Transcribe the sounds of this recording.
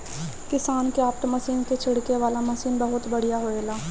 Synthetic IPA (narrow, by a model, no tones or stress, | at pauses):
kɪsaːnkeaːp̚t̪əmɐsiːnket͡ʃʰɪɽkeʋaːlamɐsiːnbɐɦʊt̪bɐɽ̤ijaɦoːeːlaː